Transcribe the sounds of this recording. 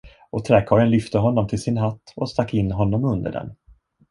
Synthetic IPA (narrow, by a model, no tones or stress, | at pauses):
ɔt̪ʰɾɛkʰɑːɾənlʏft̪əɦɔnːɔmt̪ʰɪlsɪnɦat̪ːɔst̪akːɪnːɦɔnːɔmɵnd̪ə̰ɖɛ̰n